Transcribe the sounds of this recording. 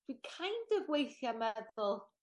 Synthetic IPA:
d̥wikʰajndəɡwejθjamɛðʊlˠ

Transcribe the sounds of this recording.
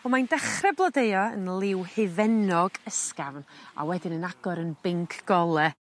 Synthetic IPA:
ɔmandɛχrɛblˠɔdeɨɔə̰nlˠɪwhɪvɛnɔɡəskavna̰wɛdɪnənaɡ̥ɔɾənbɪŋkʰɡ̥ɔlˠɛ

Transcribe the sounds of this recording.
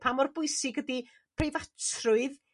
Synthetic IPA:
pʰamɔrbʊɨsɪɡədi | pʰrevatʰrʊɨð

